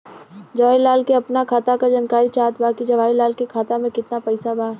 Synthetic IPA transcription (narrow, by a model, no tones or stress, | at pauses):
d͡ʒɐʋaːilaːlkeɐpnakʰaːt̪akad͡ʒankaːɾit͡ʃaːt̪baːkid͡ʒɐʋaːilaːlkekʰaːt̪amẽkɪt̪napɛɪsabaː